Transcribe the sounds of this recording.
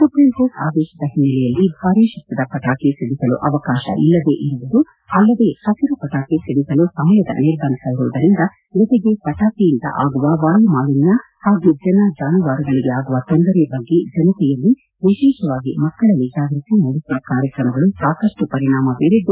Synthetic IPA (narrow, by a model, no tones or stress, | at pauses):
sɐpɾensesa̰ːd̪ɛːʃɐd̪ɐɦinːɛlɛjɐlːibʱaːɾiʃɐk̚t̪ɐd̪ɐpɐʈaːkisɐɽisɐlṵʔɐʋɐkaːʃɐ̰ʔilːɐd̪e̞ʔiɾuʋud̪u | ɐlːɐd̪e̞ːhɐsiɾupɐʈaːkisɐɽisɐlusɐmɐjɐd̪ɐ̰niɾbaːnisaːjiɾuːɐd̪ɐɾind̪ɐ | d͡ʒɔt̪eɡe̞pɐʈaːkijind̪ɐ̰ʔaːɡuʋɐʋaːjumaːlinːɐ | haːɡud͡ʒɐnɐd͡ʒaːnuʋaːɾɐɡɐɭiɡeaːɡuʋɐt̪ɔnd̪ɐɾɛbɐɡːed͡ʒɐnɐt̪ɛjɐlːi | ʋiʃeːʃɐʋaːɡimɐkːɐɭɐlːid͡ʒaːɡɾit̪imoɽisiʋɐkaːɾjɐkɾɐmɐɡɐɭusaːkɐʂʈupɐɾiɳaːmɐbeːɾed̪ːu